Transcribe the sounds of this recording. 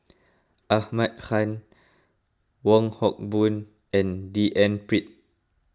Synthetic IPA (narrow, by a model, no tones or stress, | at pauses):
ʔahmat̚xãn | wɔ̃ŋhɔk̚bũn | ʔɛ̃ndiʔɛ̃npɹit̚